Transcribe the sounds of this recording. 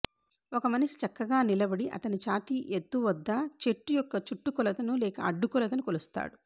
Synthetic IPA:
ɔkɐmɐnɐʂi̥t͡ʃɐkːɐɡaːnilɐbɐɽiʔɐ̰t̪ɐnit͡ʃaːt̪iʔet̪ːuʋɐd̪ːɐt͡ʃeʈːujɔkːɐt͡ʃuʈːukɔlɐt̪ɐnulɛːkɐ̰ɐɖːukɔlɐt̪̬ɐnukolust̪a̰ːɽu

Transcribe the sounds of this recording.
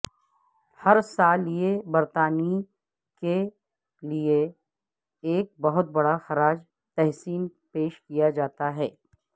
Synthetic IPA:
hɐɾsaːlijebɐɾt̪aːni | ke | lie | eːk̚bɐɦʊt̪̚bɐɽaxɐɾaːd͡ʒ | t̪ɛɦsiːn | peːʃkijad͡ʒaːt̪aɦɛː

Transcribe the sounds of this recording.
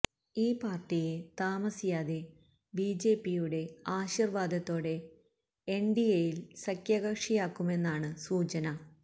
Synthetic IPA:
iːpaːrʈijet̪aːmɐsijaːðe̞ | biːd͡ʑe̞ːpːijuɽe̞aːɕirʋaːd̪ʱɐt̪ːo̞ːɽe̞ | eɳɖijejilsɐkʰjɐɣɐkʂijaːkːume̞nːaːɳɨsuːt͡ɕɐnɐ

